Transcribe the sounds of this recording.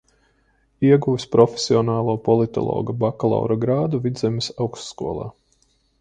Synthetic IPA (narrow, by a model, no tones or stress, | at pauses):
iɛɡuʋispɾɔfʲesʲiɔnaːlˠuːpɔlˠit̪ɔ̰lˠɔ̰ːɡabakalˠa̰wɾaɡɾaːd̪uvid̪zemisawkst̪skuɔlˠɑ̰ː